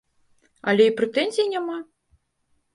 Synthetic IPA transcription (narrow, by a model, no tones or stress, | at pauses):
ɐlʲɛipɾɛt̪ɛnʲzʲijinʲama